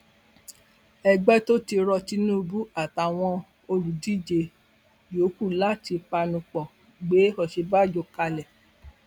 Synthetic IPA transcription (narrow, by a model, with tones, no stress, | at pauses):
ɛ˨ɡ͡bɛ˦to˦ti˧ɾɔ˧ti˧nũ˦bu˦a˨ta˨w̃ɔ̃˧ | o˧ɾu˨di˦˨d͡ʒe˧˨ | jo˨˦ku˦˨la˦ti˧pa˧nũ˧˨k͡pɔ˨ | ɡ͡be˨˦ɔ˨ʃe˧ba˦˨d͡ʒo˧˦ka˧lɛ˨